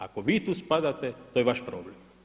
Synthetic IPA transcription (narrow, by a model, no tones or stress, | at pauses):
ako̞ʋiːt̪uːspad̪at̪et̪ojeʋaʃpɾoːblem